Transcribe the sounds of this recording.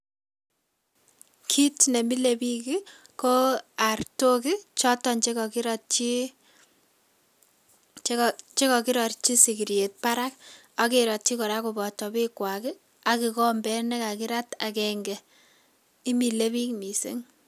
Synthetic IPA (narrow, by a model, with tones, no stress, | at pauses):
kʰi˦tne˨mi˦le˦bi˦ki˦ko˦a˨rto˦ki˦t͡ʃɔ˦tɔ˦nt͡ʃe˦kɔ˨ki˦ɾt͡ʃi˦ | t͡ʃe˦kɔ˨ki˦ɾɔ˨ɾt͡ʃi˦si˨ki˨ɾje˨t̚pa˦ɾa˦k̚ | a˦ke˨ɾɔ˨t̚t͡ʃi˦kɔ˨ɾa˦ku˨bɔ˨tɔ˨pi˦kwa˨ki˦ | a˨ki˨kɔ˦mbɛ˦nɛ˦ka˨ki˦ɾa˦ta˨kɛ˨ŋɡɛ | i˦mi˨le˦βi˦kmi˨sḛ˦ŋ